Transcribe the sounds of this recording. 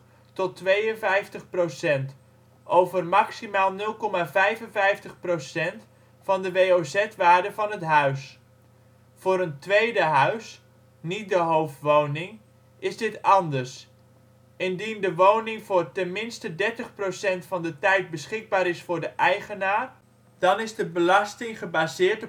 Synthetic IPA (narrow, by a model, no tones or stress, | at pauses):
tɔtʋejənvɛjftəχprosɛnt | ʔowvərmɑksimaːlˠnɵlˠkɔmavɛjvənvɛjftəχprosɛnt | fɑndəʋejowzɛtʋaːdəvɑnətɦœɥs | fʊːɾəntʋejdəɦœɥs | nit̚dəɦowftʋownɪŋ | ɪzdɪtɑndərs | ɪndindəʋownɪŋvʊːrtɛnmɪnstədɛrtəχprosɛntfɑndətɛjt̚bəsχɪɡ̚baːɾɪsfʊːɹdəʔɛjχənaːr | d̥ɑnɪzdəbəlɑstɪŋχəbazɪːrt